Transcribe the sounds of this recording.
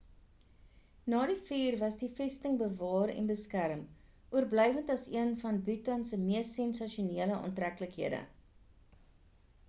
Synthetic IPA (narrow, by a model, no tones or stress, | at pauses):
nɑːdifiːrvɐsdifɛstəŋbəvɑːɾɛ̰nbəskæɾəm | ʔuərblœjvəntɐsiənfɐnbytɐnsəmiəsɛnsɐʃuniələʔɑ̰ːntrækləkɦiədə̰